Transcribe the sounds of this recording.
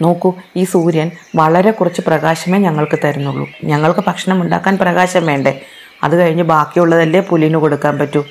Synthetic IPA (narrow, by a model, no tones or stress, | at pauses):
noːkːuiːsuːɾjɐnʋɐɭɐɾe̞kurɐt͡ɕːɨprɐɣaːɕɐme̞ːɲɐŋːɐɭkɨt̪ɐɾunːuɭːṵɲɐŋːɐɭkɨpɐkʂɐɳɐmuɳɖa̰ːkːaːnprɐɣaːɕɐmʋe̞ːɳɖe | ɐ̰ðɨkɐɻiɲːɨbaːkːijuɭːɐðɐlːeːpulinuko̞ɽukːaːnpɐtːu